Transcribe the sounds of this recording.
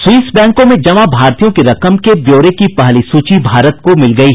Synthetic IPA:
swiːsbɛ̃ːŋkõmẽd͡ʒɐʋabʱaːɾt̪ijõkeɾɐkəmkebjoːɾekipɐɦlisuːt͡ʃibʱaːɾət̪̚komɪlɡɐiːɦ

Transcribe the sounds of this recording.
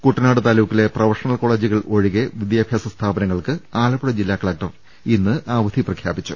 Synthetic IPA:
kuʈːɐnaːɽɨt̪aːluːkːile̞prɐʋɐrʂɐnɐlko̞ːɭeːd͡ʑiɣɐɭʔo̞ɻiɣe̞ʋid̪jaːbʱjaːsɐst̪ʰaːbɐnɐŋːɐɭkɨaːlɐpuɽɐd͡ʑilːaːkɐɭɐk̚ʈɐr | inːɨʔaːʋɐd̪ʱiprɐkʰjaːbit͡ɕːu

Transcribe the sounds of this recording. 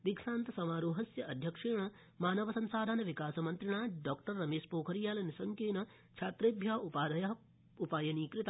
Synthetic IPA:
d̪ikʂaːnt̪ɐsɐmaːɾuːɦɐsjɐʔɐd̪ʱjɐkʂeːjɳɐ | maːnɐʋɐsɐnsaːd̪ʱɐnɐʋikaːsɐmɐnt̪ɾiɳaːɖɔːkʈɐɾːɐmeːʂpoːkʰɐɾjaːlɐnisɐŋkeːnɐ | t͡ʃʰaːt̪ɾeːbʱjaːɦɐupaːd̪ʱɐjɐɦɐ | upaːjɐniːkɾɪt̪

